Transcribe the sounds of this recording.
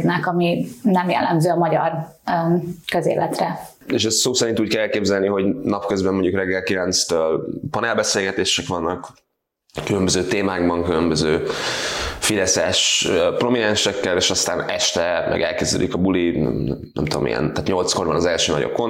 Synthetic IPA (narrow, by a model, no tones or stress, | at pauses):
d̪nɛkɒminɛmjɛ̰lːɛ̰mzøːɒmɒɟɒr | køzḛːlɛt̪rɛ | eːʃɛssoːsɛɾint̪uːc̚kɛlɛlkeːbzɛlniɦo̞ɟnɒpkøzbɛmoɲɟukrɛɡːɛlkilɛnt̪st̪øːlpɒnɛlbɛseːlɡɛt̪eːʃɛkʋɒnːɒk | kylømbøzøːt̪eːmaːɡbɒŋkylømbøzøː | fid̪ɛsɛʃpro̞minɛnʃɛkːɛleːʃɒst̪aːnɛʃt̪ɛmʔɛ̰ɡɛ̰lkezd̪ɛ̰lḭkɒbulinɛ̰mt̪ud̪o̰mḭjɛ̰nt̪aːt̪ɲo̞lt̪sko̞rbɒnɒzɛlʃøːnɒ̰ɟo̰p̚ko̞n